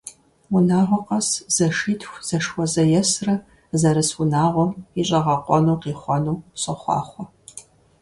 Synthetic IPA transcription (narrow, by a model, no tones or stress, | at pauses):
ʊnaːʁʷɔqɐsz̥ɐʂiːtʰxʷz̥ɐʂwɔzɐjɛsrɐ | zɐɾɨswʊnaːʁʷɔmiɕʼɐʁɐqʷʼɔnuːqiːχʷɔnuːɕʼɐχʷɑ̰ːχʷɔ